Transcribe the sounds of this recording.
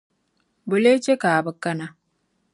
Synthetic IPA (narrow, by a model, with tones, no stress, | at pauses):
bʊ˨le˦t͡ʃe˦kaː˨bɨ˦kːɐ˦na˦˨